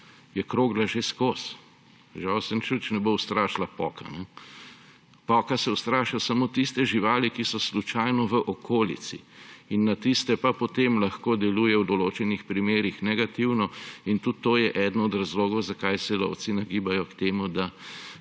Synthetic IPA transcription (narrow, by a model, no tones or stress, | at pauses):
jɛkɾoːɡlaʒeskoːs | ʒawsɛnt͡ʃut͡ʃnɛbowst̪ɾaːʃlapɔːka̰nɛ | pɔːkasɛwst̪ɾaːʃlasamot̪ist̪ɛʒiʋaːlikisɔslut͡ʃajnɔʋəʔɔkʰoːlḭt̪t͡s̪sḭinːat̪ist̪ɛpapɔt̪emlɐxkoːd̪ɛluːjɛwd̪ɔloːt͡ʃɛnixpɾimeːɾixnɛɡat̪iwnɔint̪ut̪ːoːjɛʔɛd̪nɔɔd̪ɾazloːɡɔwzakajsɛlɔ̰wt̪sinaɡibajɔkt̪eːmud̪a